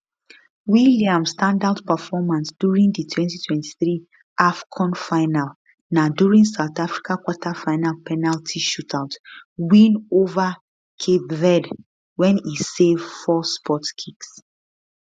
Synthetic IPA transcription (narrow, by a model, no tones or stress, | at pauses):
wiliãmstãndaʊdpəfɔmãnsd̥juɹĩŋdətʰwɛ̃ntitʰwɛ̃nti̥θɹi | ʔafkʰɔ̃nfaɪnal | naduɹĩŋsaʊθafɹikʰakwɔtʰafaɪnalpʰɛnaltʰiʃutʰaʊtwĩnova | kʰebvɛd | wɛ̃nisevfɔspʰɔtkʰiks